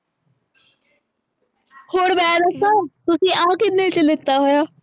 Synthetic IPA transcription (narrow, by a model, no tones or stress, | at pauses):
hoːɽbɛːd̪əsaːt̪ʊsĩːʔãːkɪnnẽt͡ʃəlɪt̪ːaːɦojaː